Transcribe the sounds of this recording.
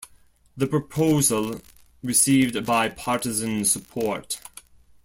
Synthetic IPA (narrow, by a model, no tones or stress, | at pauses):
ðəpɹ̥əpʰoʊzəlˠ | ɹɨsiːvdbaɪpʰɑɹtɨzə̃nsəpʰɔɹt